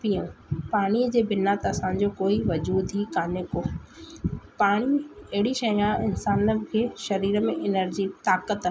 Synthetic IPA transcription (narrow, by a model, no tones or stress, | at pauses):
pijõpaːɽ̃iːəd͡ʑeːbɪnaːt̪ɐsãd͡ʑoːkoːiʋɐd͡ʑuːd̪ʱɦiːkaːɲʊkoː | paːɽ̃iɐɦɪɽiʃɐjãɪnsaːnəkʰeːʃɐɾiːɾəmẽʔɪnəɾd͡ʑit̪aːkət̪